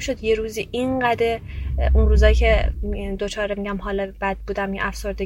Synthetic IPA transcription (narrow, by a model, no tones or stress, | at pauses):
ʃo̞d̪jeɾuːziːʔinɡæd̪eunɾuːzɒːjcʰed̪ot͡ʃʰɒːɾemiɟæmhɒːlɒb̥æd̪̥̚buːd̪æmjeʔæfso̞ɾd̪e